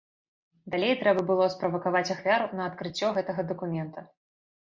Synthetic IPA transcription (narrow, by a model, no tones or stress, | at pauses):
d̪alʲejt̪ɾɛbɐbɨlˠɔspɾɐvɐkavat͡sʲaxvʲaɾunɐːt̪kɾɨt͡sʲːɔɣɛt̪ɐɣɐd̪ɐkumʲɛnt̪ɐ